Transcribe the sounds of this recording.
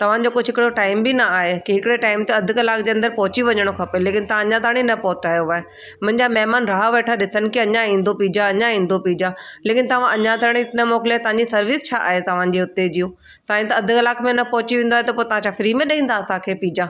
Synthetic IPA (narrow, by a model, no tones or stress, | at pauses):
t̪ɐʋ̤ãd͡ʑoːkʊd͡ʑʱɦɪkɪɽoʈaːɪmbinɐaːɦekiɦɪkɪɽeʈaːɪmt̪eɐd̪ʱʊkɐlaːkd͡ʑeːɐ̃nd̪əɾpɔɦʊt͡ɕiʋɐɲəɽ̃okʰɐpeleːkɪnɪt̪ɐãɐɲãd̪ʱaːɽ̃inɐpɔɦʊt̪aːjoaːɦe | mʊ̃ɦɪ̃ɲd͡ʑamɐɦmaːnɾaːɦaʋeːʈʰaɗɪsənɪ̆kiɐɲãĩːnd̪opiːd͡ʑaɐɲãĩːnd̪opiːd͡ʑaleːkɪnɪt̪ɐʋ̤ãʔɐɲãd̪ʱaːɽ̃it̪nəmɔːkɪlat̪ɐʋ̤ãɲd͡ʑisɐɾʋɪst͡ɕʰaːʔaːɦet̪ɐʋ̤ãd͡ʑeʊt̪ed͡ʑijũ | t̪aːɦĩt̪ɐɐd̪ʱʊkɐlaːkmẽnɐpɔɦʊt͡ɕiʋẽːn̆d̪oaɦet̪ɐpoːt̪ɐʋ̤ãt͡ɕʰafɪɾimẽɗɐɦĩːn̆d̪aɐsãkʰeːpiːd͡ʑaː